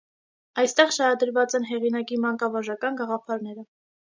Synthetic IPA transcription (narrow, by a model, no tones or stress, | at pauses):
ɑjst̪ɛʁʃɑɾɑd̪əɾvɑt͡sɛnɦɛʁinɑkimɑŋkɑvɑʒɑkɑnɡɑʁɑpʰɑɾnɛɾə